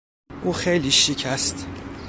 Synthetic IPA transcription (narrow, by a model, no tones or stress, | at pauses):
ʔuːxejliːʃicʰæst̪